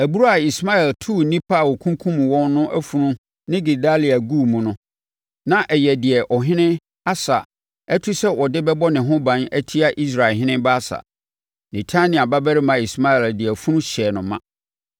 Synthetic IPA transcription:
æ˨bu˦ɾa˦a˨i˨sma˦ɛ˨ltʰu˦˨nĩ˦pʰa˦˨wɔ˨kʰũ˦ŋ˦kʰũ˦m̃˨wɔ̃˦nːʊ̃˦ʔæ˦fu˨nũ˦ | nɪ̃˦ɡi˨da˦li˨a˨ɡu˦˨mũ˨nʊ̃˦ | nã˦ʔɛ˨jɛ˨dɪ˨ɛ˨ʔɔ˨ɦɪ̃˦nɪ̃˦ | a˦sa˨ | ɛ˦tʰu˦sɛ˦wɔ˨dɪ˦bɛ˦bɔ˦nɪ̃˨ɦʊ̃˦bã˦næ˦tʰi˦a˦ʔi˦s̬ɾa˨ɦɪ̃˦nɪ̃˦mba˦sa̰˨ | nĩ˨tʰa˦nɪ̃˨a˨ba˦bæ˦ɾɪ˦mã˨i˨sma˦ɛ˨ldɪ˨ɛ˨fu˦nũ˦ɕɛ˨nʊ̃˨mã˦

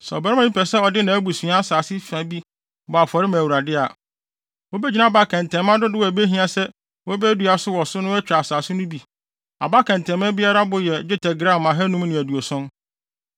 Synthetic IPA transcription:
sɛ˨ɔ˨bɾmã˨˦ĩ˦pʰɛ˨sɛ˦ɔ˨dɪ˦nã˨æ˦bu˨sĩ˨a˦a˦saː˨sɪ˦fã˨bi˦ | bɔ˨a˨fɔ˨ɾɪ˦mã˨wu˨ɾa˨dɪ˦a˨ | wɔ˦bɛ˦d͡ʑi˦nã˦˨ba˦kʰɛ̃˨n˨tʰɛ̃˨mã˦dʊ˦dɪ˦wɔ˨æ˨be˦ɦĩ˦ã˨sɛ˦ | wɔ˦bɛ˦du˨˦a˨sʊ˦wɔ˨sʊ˦nʊ̃˦wæ˦t͡ɕᶣa˨saː˨sɪ˦nʊ̃˦bi˨ | a̰˨ba˦kʰɛ̃˨ntʰɛ̃˨mã˦bi˦a˦ɾa˦bʊ˨jɛ˨d͡ʑᶣɪ˦tʰɛ˨ɡɾã˦˨mã˨ɦɛ˦nũ˦m˦nɪ̃˨æ˨du˨o˨sɔ̃˦n

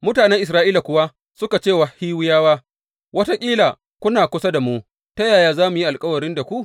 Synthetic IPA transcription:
mʊ˦taː˨nɛ˦ŋʔɪ˨s̬ɾaː˦ʔiː˦la˨kʷʊ˨wa˦ | sʊ˦ka˨t͡ʃeː˦˨wa˨hiː˦wɪ˦jaː˦waː˦ | wɐ˦ta˦kʲʼiː˦laː˨ | kʷʊ˦naː˨kʷʊ˦sa˦da˨mu˦ | ta˦jaː˨jaː˦zaː˦mu˨ji˦ʔa˨lkʼɐ˦wɐ˨ɾɪ˦nda˨kʷu˦ʔ

